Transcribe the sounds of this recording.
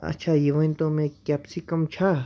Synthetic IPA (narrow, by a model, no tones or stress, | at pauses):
a̰t͡ʃʰajiʋãj̃nt̪omẽkʲapsikɐmt͡ʃʰa